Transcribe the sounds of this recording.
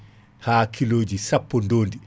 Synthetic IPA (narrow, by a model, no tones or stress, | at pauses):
haːkʰiloːd͡ʒisapːɔndoːndi